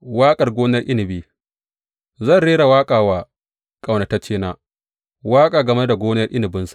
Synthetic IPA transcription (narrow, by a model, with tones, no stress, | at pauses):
waː˦kʼɐ˨rɡʷoː˦nɐ˦rʔɪ˦nɪ˨biː˦ | zɐ˦˨nɽeː˦ɽa˨waː˦kʼaː˨waː˨ | kʼa˨wna˨ta˦t͡ʃeː˦naː˦ | waː˦kʼaː˨ɡɐ˨me˦da˨ɡʷoː˦nɐ˦rʔɪ˦nɪ˨bɪ˦nsḁ˨ʔ